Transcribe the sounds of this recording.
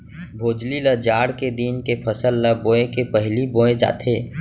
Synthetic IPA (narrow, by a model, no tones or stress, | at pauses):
bʱoːd͡ʒliləd͡ʒaːɽked̪inkepʰəsəlːəbõːẽkepəɦlibõːẽd͡ʒa̰ːt̪ʰeː